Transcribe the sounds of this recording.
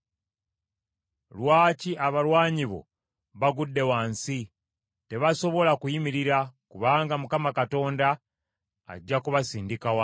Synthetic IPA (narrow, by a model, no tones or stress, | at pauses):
lwaːciaβalwaːɲiβo̞̰ | βaɡudːe̞waːnsi | te̞βaso̞βo̞lakujimiɾiɾakuβaːŋɡamukamakato̞ːnda̰ː | ɟːakuβasiːndikawa